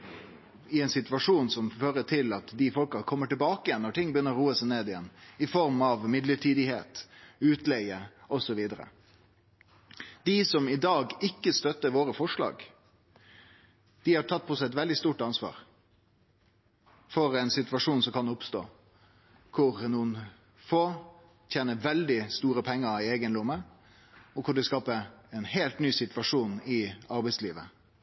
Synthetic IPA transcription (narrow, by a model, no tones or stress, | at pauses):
ɪɛnsɪt̪ʋɑʂuːnsɔmføːɾət̪ʰɪlɑt̪d̪ɪfɔlkɑkʰɔmːəʈɪlbɑːkəɪjɛnːɔʈʰɪŋːbəjʏnːəɾuːəsɛɪneːd̪ɪjɛnːɪfɔɾmɑʋmɪd̪ləʈʰiːd̪ɪhḛːt̪ʉːt̪lɛɪəɔsɔʋiːd̪əɾə̰ | d̪̥ɪsɔmɪd̪ɑːɡɪkːəst̪œt̪ːəɾʋoːɾəfɔʂɭɑ̰ːɡ | d̪̥ɪhɑʈ̪ʰɑt̪̚ːpʰɔsɛɛt̪ʋɛld̪ɪst̪uːʈɑnsʋɑ̰ːɾ | fɔɾɛɪnsɪt̪ʋɑʂuːnsɔkɑnd̪ɛʊpst̪o̰ː | kʰʊɾnuːn | foː | t̪ʰjeːnəʋɛld̪ɪst̪uːɾəpʰɛŋːəɪeːɡənɾʊmːə | ɔkʰʊɖɪskɑːpəɛnheːlt̪nyːsɪt̪ʋɑʂuːnɪɑɾbɛɪsliːʋə